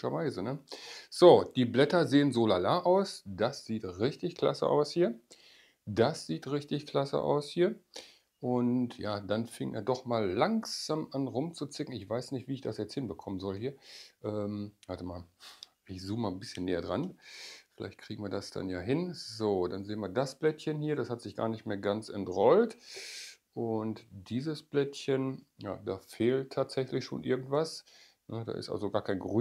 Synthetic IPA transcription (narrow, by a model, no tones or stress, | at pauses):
ɐvaɪzənəz̥oːd̥iːblɛtɐzeːənzoːlalaːʔaʊsd̥asz̥iːtʁɪçtɪçkl̥a̰sə̰ʔa̰ʊshiːɐ | dasz̥iːtʁɪçtɪçkl̥asə̰ʔa̰ʊshiːɐ | ʔʊntjaːdanfɪŋənʔḛɐdɔχmaːlːaŋz̥aːmʔanʁʊmt͡sut͡sɪkŋ̩ɪçv̥aɪsnɪçtv̥iːɪçd̥asjɛt͡shɪnbəkʰɔmənzɔlhiːɐʔɛːmvaɐtəmaːl | ʔɪçz̥uːmmaːnbɪsçənːeːɐdʁanfɪlʔa̰ɪçt̚kʰʁ̥iːɡŋ̩viːɐdasd̥a̰njaːɦɪnzoːdanzeːnviːɐdasb̥lɛtçənhiːɐdashatz̥ɪçɡ̥a̰ːɐnɪçtmeːɐɡant͡sɛntʁɔlt | ʔʊntd̥iːzəsb̥lɛtçənja̰ːdaːfeːltʰːaːtz̥ɛçlɪçʃo̰ːnʔɪɐɡŋ̩tv̥as | nəda̰ːʔɪstʔa̰lzoɡaːɐkʰaɪnɡʁy